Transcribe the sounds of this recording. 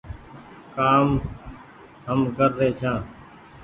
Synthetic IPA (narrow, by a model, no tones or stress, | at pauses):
kaːm | ɦəmkəɾːeːt͡ʃʰãː